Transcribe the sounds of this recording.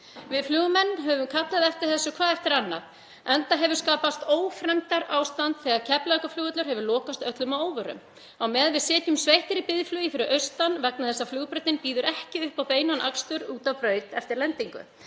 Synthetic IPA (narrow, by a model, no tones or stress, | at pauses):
vɪðflʏːɣʏmɛnːɦɛvʏmkʰat̪laðɛft̪ɪɾ̥θɛsːʏkʰvaːðɛft̪ɪɾanːa̰ð | ɛnt̪aɦɛvʏɾ̥skaːpast̪oːwfɾɛmt̪aɾaːwst̪ant̪θɛɣaðcʰɛplajkaflʏːɣœt̪lʏɾ̥hɦɛvʏɾlɔːkast̪œt̪lʏmawoːwvʏɾʏ̰m | awmɛːðvɪðsɛːt̪jʏmsvejht̪ɪɾɪpɪðflyːjifɪɾɪɾʔœɥst̪anvɛk̚naθɛsːaflʏːɣpɾœt̪ɪnpiːðʏɾɛhcɪʏhpawpeːjnanʔa̰kst̪ʏɾuːt̪awpɾœːɥt̪ɛft̪ɪɾlɛnt̪iŋkʏ̰